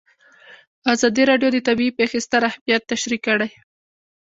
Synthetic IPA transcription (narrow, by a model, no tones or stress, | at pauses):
azɑd̪iɾɑɖjod̪ət̪abiipexɪst̪aɾahmijat̪ːaʃɾikːəɽaj